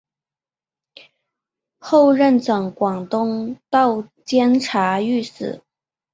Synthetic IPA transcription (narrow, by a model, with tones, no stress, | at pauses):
xo˥˧ʊɻə˥˩nʈ͡ʂɤ˨˩ŋkwɑ˨˩ŋt̪ʊ˥ŋt̪ɑ˥˩ʊt͡ɕjɛ˥nʈ͡ʂʰa˧˥y˥˩sɹ̩̰˨˩˦